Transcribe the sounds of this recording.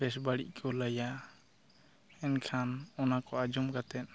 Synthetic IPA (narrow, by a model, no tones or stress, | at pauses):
bɛs̬baɽḭʔkʰɔlaja | ɛnkʰanɔnakɔad͡ʒɔmɡat̪ɛt̪̚